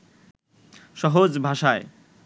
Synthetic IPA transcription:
ʃɔɦod͡zbʱaʃae

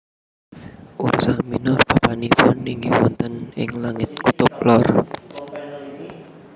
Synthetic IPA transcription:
ʔursaminʊrpapanifɔniŋɡiwɔnt̪ənɪŋlaŋɪt̪̚kut̪ʊp̚lɔr

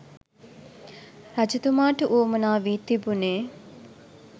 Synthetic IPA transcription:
rad͡ʒut̪umaːʈəʔuːmənaːʋit̪ibuneː

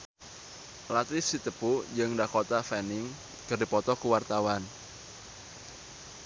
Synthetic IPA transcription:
lat̪ifsit̪əpud͡ʒɨŋdakot̪afɛnɪŋ | kɨrdipɔt̪ɔkəwart̪awan

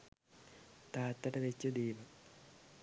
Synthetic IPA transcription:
t̪aːt̪ːɐʈɐʋet͡ɕːɐd̪iːʋɐ

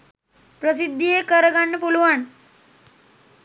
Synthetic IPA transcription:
pɾəs̬id̪ʱːijekəɾɡaɳːəpulʋaɳ

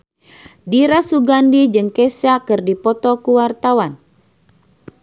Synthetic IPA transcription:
diɾasuɡandid͡ʒɨŋkɛsakɨrdipɔt̪ɔkuwart̪awan

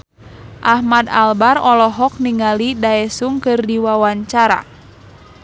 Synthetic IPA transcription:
ʔahmadalbarɔlɔɦɔk̚niŋalidaɛsuŋkɨrdiwawaɲt͡ʃaɾa̰

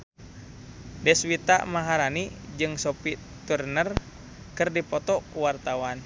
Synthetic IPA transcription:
dɛswit̪a̰maɦaɾanid͡ʒɨŋsɔpi | t̪urnər | kɨrdipɔt̪ɔkuwart̪awan

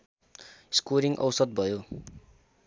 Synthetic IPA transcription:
skoɾiŋʔʌ̰wsʌd̪̚bʱʌjo

